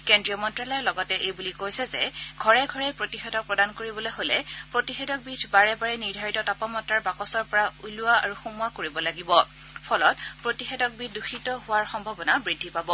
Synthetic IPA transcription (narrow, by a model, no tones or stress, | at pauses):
kendɹiɔmɔntɹalɔjɔlɔɡɔtɛʔejbulikojsɛzɛɡʱɔɹɛɡʱɔɹɛpɹotixɛdɔk̚pɹɔdankoɹibɔlojɦolɛpɹotixedɔk̚bidʰbaɹɛbaɹɛniɹdʱaɹitɔtapɔmɔtːaɹbakɔsɔɹpɔɹauluaa̰ɹuxumʊakoɹibɔlaɡibɔ | pʰɔlɔt̚pɹotixɛdɔk̚bit̚ʰduxʰitɔɦʊwaɹxɔmbʱɔbɔnabɹidʱːipabɔ